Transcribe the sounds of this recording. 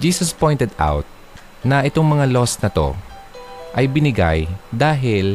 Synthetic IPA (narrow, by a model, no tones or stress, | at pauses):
d͡ʒiːsɐspo̞jnt̪ɛd̪a̰wt̪̚ | nɐʔɪt̪o̞ŋmɐŋalo̞snɐt̪o̞̰ | ʔɐjbɪnɪɡa̰jd̪aːɦɪl